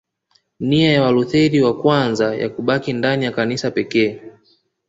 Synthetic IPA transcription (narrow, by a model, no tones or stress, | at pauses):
niajawaluθɛɾiwakwanzaja̰kuɓakindanijakanisapɛkɛː